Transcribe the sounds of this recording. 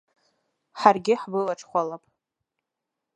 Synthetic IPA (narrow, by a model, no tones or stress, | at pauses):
ħarɡʲɪħbɨlaʈ͡ʂʰʼχʷalapʼ